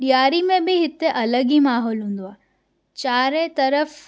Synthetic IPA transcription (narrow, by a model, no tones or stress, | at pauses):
ɗijaːɾimẽbɪɦɪt̪eʔɐləɠimaːɦɔːlɦũːn̆d̪oaː | t͡ɕaːɾet̪ɐɾəf